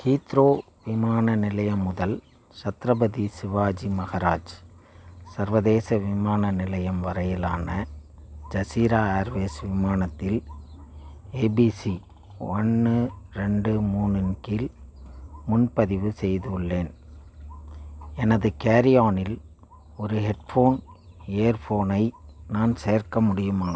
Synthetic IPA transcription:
kiːt̪ɾoː | ʋɪmaːnɐnɪlɐjɐmːʊðɐl | t͡ʃɐt̪ɾɐbɐðisɪʋaːd͡ʒimɐɣɐɾaːd͡ʒ | sɐɾʋɐðeːsɐʋɪmaːnɐnɪlɐjɐmʋɐɾɐjɪlaːnɐ | d͡ʒɐsiːɾaːaːɾʋeːsʋɪmaːnɐt̪ːɪl | eːbiːsi | ɔnːɯɾɛɳɖɯmuːnɯnkɪl | mʊnpɐðɪʋɯsɛjðɯɯɭːeːn | ɛnɐðɯkeːɾɪjaːnɪl | ɔɾɯɦɛʈfoːneːɾfoːnɐɪnaːnseːɾkɐmʊɽɪjɯmaːnɐ

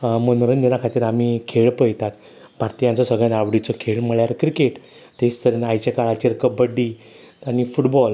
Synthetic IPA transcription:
mənoɾənd̪enakʰat̪iːɾamikʰeɭpəjt̪at̪ | bʱaɾt̪ijãnt͡sɔsəɡɭãnaʋɽit͡sɔkʰeɭməɭjaɾkɾikeʈ | t̪est̪ʰəɾenajt͡ɕjakaɭat͡ɕiɾkəbəɖi | anifuʈbɔl

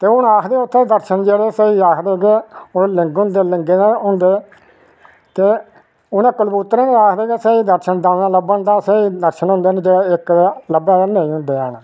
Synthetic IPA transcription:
t̪eːʊnaːkʰd̪eːʊt̪ʰːẽd̪əɾʃənd͡ʒeːɽeːseiːaːkʰd̪eːɡeːoləŋɡɦʊ̃nd̪eːlɪŋɡeːneɦʊ̃nd̪eː | t̪eː | ʊnãːkəlbut̪ːɾẽːneaːkʰd̪eːɡeseːiːd̪əɾʃənd̪ãːnãːləbənd̪aːseːiːd̪əɾʃənɦʊ̃ːnd̪eːnːd͡ʒeːeːɪkləbɛ̃ːd̪aːnə̃ĩːɦʊ̃nd̪eːaːnaː

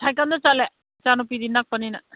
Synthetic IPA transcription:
tʰajkandat͡ʃale | t͡ʃanupidinːak̚panina

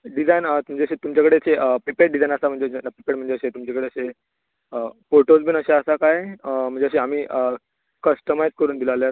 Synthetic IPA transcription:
ɖid͡zajnət̪um̤əɳd͡zeəɕet̪umt͡ɕakəɽeəɕeʔəpɾipeɖɖid͡zajnəsam̤əɳd͡zenpɾipeʈm̤əɳd͡zeəɕet̪umt͡ɕakəɽeəɕe | əfoɾʈod͡zbʱiːnəɕeəsakajm̤əɳd͡zeəɕeam̤iːʔə | kəsʈəmajd͡zkəɾuːnd̪ilalja

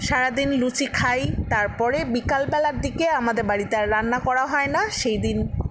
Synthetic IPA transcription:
ʃaɾad̪inlut͡ɕikʰajt̪aɾpɔɾebikalbɛlaɾd̪ikeamad̪eɾbaɽit̪aɾːanːakɔɽaɦɔenaʃejd̪in

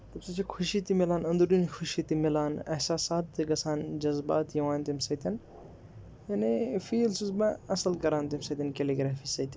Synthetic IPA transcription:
t̪ɐbsɐt͡ʃʰikʰuʃit̪imilaːnɐ̃nd̪uɾɖinikʰuʃit̪imilaːnɐhsaːsaːt̪ːikɐsaːnd͡ʒɐzba̰ːt̪jɐʋãːnt̪imsɐt̪ɐn | jɐnifiːlsuzbɐ̃ɐsɐlkɐɾãːnt̪imsɐt̪ʲɐnkeliɡɾaːfiːsɐt̪ʲɐn

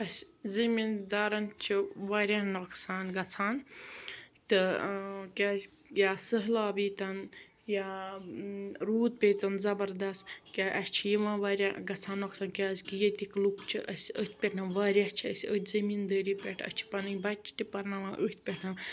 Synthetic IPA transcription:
ɐsʲzɐmind̪aːɾɐnt͡ʃʰiʋaːɾʲaːnoksaːnɡɐt͡sʰaːn | t̪ɨkʲaːzʲ | jaːsəɦlaːbiːt̪ɐn | jaː | ɾuːt̪̚pʲet̪ɐnzɐbɐɾd̪ɐst̪kʲaʔɐsʲt͡ʃʰijiʋãːʋaːɾʲaɡɐt͡sʰaːnːoksaːnkʲaːzʲkijet̪iklukt͡ʃʰiʔɐsʲət̪̚ʰʲpʲeʈʰnɐʋaːɾʲat͡ʃʰiɐsʲət̪ʰʲzɐmind̪ɐːɾiːpʲeʈʰɐ̰sʲt͡ʃʰi̥pɐnɨbɐt͡ʃʰi̥t̪ipɐɾnaʋãːʔət̪ʰʲpʲeʈʰnɐ

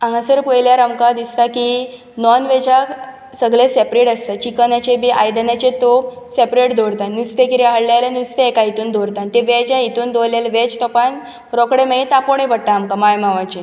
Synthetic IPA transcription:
ãŋɡãsəɾpəjljaɾamkad̪ist̪aki | nɔnʋɛd͡ʑa | səɡlesepɾeʈəst̪at͡ɕikənat͡ɕebiʔajd̪ənat͡ɕẽt̪o | sepɾeʈd̪oɾt̪annust̪ekiɾiaɦəɽljalanust̪eːkait̪uːnd̪oɾt̪ant̪eʋɛd͡ʑãit̪uːnd̪oljalʋɛd͡ʑt̪ɔpan | ɾɔkɽemeit̪ãpoɳ̃ebəɽʈ̪aːmkamajmaʋat͡ɕe

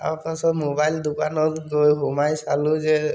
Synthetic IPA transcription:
a̰ɹkasɔtmobajld̪ukanɔtɡojɦɔmajsalʊzɛ

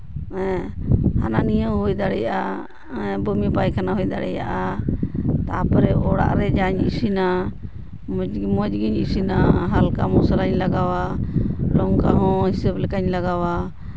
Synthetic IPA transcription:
ɛ̃ha̰nãːnijoɦoːid̪aɽḛjaː | ɛ̃bəmipaːikʰənaːɦoid̪a̰ɽḛja̰ʔa | t̪aːpɾeoːɽa̰ːʔɾeːd͡ʒaːɲisinaː | mmod͡ʒɡiɲisinaːɦəlka̰ːmoːsəlaːɲləɡaːʋaːloːŋkaːɦõːɦɪseblkəɲləɡaːʋaː

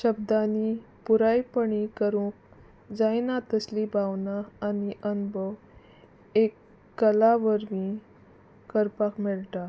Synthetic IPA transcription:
ɕəbd̪ani | puɾajpəɳikəɾũːk̚ | d͡zajnat̪əslibʱawnaːniʔənbəʋ | ekː | əlaʋəɾmi | kəɾpakmɛɭʈ̪a

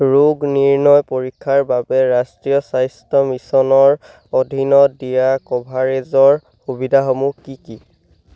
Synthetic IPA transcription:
ɹuɡniɹnɔjpoɹikʰːaɹbabɛɹastɹijɔsajstɔmisɔnɔɹ | odʱinɔdijakɔbʱaɹezɔɹ | xubidʱaxomukiki

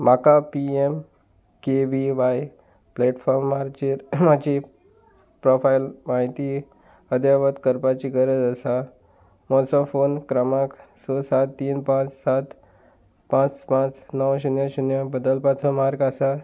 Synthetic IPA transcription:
makapiem | keʋiʋaj | plɛʈfɔɾmːaɾt͡ɕiɾmad͡ʑi | pɾɔfajlmaɦit̪i | əd̪jaʋət̪kəɾpat͡ɕiɡəɾəd͡zəsa | mɔsɔfonkɾəmaksɔsat̪ːiːnpãt͡ssat̪ | pãt͡spãt͡snəwɕunjəɕunjəbəd̪əlpat͡sɔmaɾɡasa

